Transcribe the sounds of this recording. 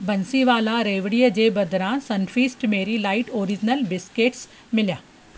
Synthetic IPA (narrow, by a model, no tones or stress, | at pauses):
bɐnsiʋaːlaɾeːʋɽijəd͡ʑebɐd̪ɾãsɐnfiːsʈmeːɾilaːɪʈoːɾɪd͡ʑnəlbɪskeːʈs | mɪljaː